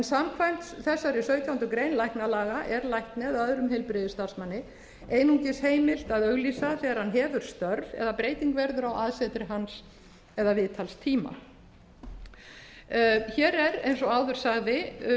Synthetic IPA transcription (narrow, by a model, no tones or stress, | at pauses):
ɛnsamkʰvajm̥t̪sθɛsːaɾɪsœɥt̪jawnt̪ʏkɾejnlajhknalaːɣaʔɛɾlajhk̪nɪaðœðɾʏmhejlpɾɪðɪst̪ar̥smanːɪ | eːjnuŋcɪsheːjmɪl̥t̪aðœɣliːsaθɛːɣaɾ̥hanɦɛːvʏɾ̥st̪œɾðɛ̰ðapɾeːjt̪iŋkvɛɾðʏɾawʔaðsɛt̪ɾɪɦans | ɛðavɪːt̪ʰalst̪ʰiːma̰ | çɛːɾɛɾejnsɔawðʏɾ̥saɣðɪ